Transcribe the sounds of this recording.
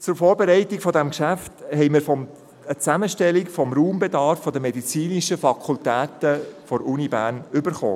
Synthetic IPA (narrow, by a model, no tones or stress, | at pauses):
t͡sʊɾfɔːɾbɛɾɛɪtikfɔdɛmkʃæfthɛɪmɪɾfɔm | ət͡sæməʃtɛlikfɔmɾuːmbɛd̪ɑːɾfːɔdəmɛd̪it͡siːniʃəfɑkʰultæːt̪əfɔɾunibæːɾnʏbəɾχo̰ː